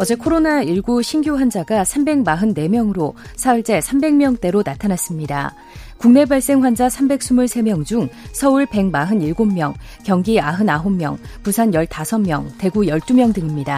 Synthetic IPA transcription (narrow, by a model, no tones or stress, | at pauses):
ʌd͡ʑe̞kʰoɾonaiɭɡuɕʰinɡjoɸwand͡ʑaɡasʰambe̞ŋmaɦɯnːe̞mjʌŋɯɾosʰauɭt͡ɕ͈e̞sʰambe̞ŋmjʌŋt͈e̞ɾonatʰanas͈ɯmɲida̰ | kuŋne̞baɭs͈e̞ŋɸwand͡ʑasʰambe̞k̚s͈umuɭsʰe̞mjʌŋd͡ʑuŋsʰʌuɭpe̞ŋmaɦɯniɭɡomːjʌŋ | kjʌŋɡiaɦɯnaɦomːjʌ̰ŋpusʰanjʌɭtasʰʌmmjʌŋte̞ɡujʌɭt͈umjʌŋdɯŋimɲida